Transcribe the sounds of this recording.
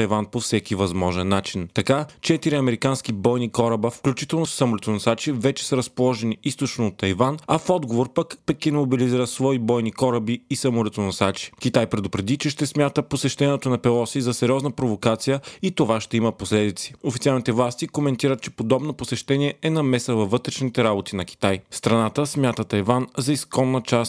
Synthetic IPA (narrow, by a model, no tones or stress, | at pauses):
ɐjvanpofsɛkivɐzmɔʒɛnːat͡ʃint̪ɐkat͡ʃɛt̪iɾiɐmɛɾikanskibɔjnikɔɾəbəfklʲut͡ʃit̪ɛlˠnossɐmolɛt̪onɐsat͡ʃivɛt͡ʃɛ̥sɐɾɐspolˠɔʒɛniist̪ot͡ʃnoot̪ːɐjvanɐfɔd̪ɡovoɾpəkpɛkinmobiliziɾət̪svɔibɔjnikɔɾəbiːsɐmolɛt̪onɐsat͡ʃi̥k̟it̪ajpɾɛd̪ʊpɾɛd̪it͡ʃɛʃt̪ɛsmʲjat̪əposɛʃt̪ɛniɛt̪onɐpɛlˠɔsizɐsɛɾʲiɔznəpɾovokat̪sijəit̪ovaʃt̪ɛiməposlɛd̪it̪si̥ofit̪sʲialˠnit̪ɛvlˠast̪ikomɛnt̪iɾət̪̚t͡ʃɛ̥pod̪ɔbnoposɛʃt̪ɛniɛʔɛnɐmɛsəvɐvːɤt̪ɾɛʃnit̪ɛɾabot̪inɐki̥t̪ajst̪ɾɐnat̪əsmʲjat̪ət̪ɐjvanzɐiskɔnːət͡ʃast̪